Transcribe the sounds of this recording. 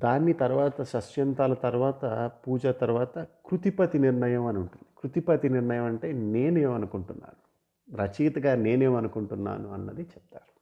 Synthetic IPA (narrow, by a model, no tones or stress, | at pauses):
d̪aːnːit̪ɐɾuʋaːt̪ɐʃɐʃjɐnt̪aːlɐt̪ɐɾuʋaːt̪ɐpuːd͡ʒɐt̪ɐɾuʋaːt̪ɐkɾut̪ipɐt̪iniɾɳɐjɐmɐnuɳʈund̪̥ikɾut̪ipɐt̪iniɾɳɐjɐmɐɳʈe̞ːne̞ːneːmɐnukuɳʈunːa̰ːnu | ɾɐt͡ʃiːt̪ɐɡaːne̞ːneːmɐnukuɳʈunːa̰ːnuɐnːɐd̪it͡ʃɛpt̪aːɾu